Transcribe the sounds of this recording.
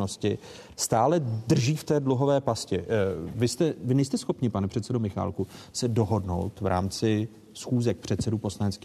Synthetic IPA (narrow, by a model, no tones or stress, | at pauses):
noscɪ | st̪aːlɛd̪r̩ʒiːft̪ɛːdluɦo̞vɛːpascɛvɪst̪ɛvɪnɛjst̪ɛsxo̞pɲɪpanɛpr̥ɛt̪sɛdomɪxa̰ːlkusɛdo̞ɦo̞dno̞̰wt̪vɾʔa̰ːmt͡sɪ | sxuːzɛk̚pr̝̥ɛt̪sɛdupo̞slaɲɛtt͡skiː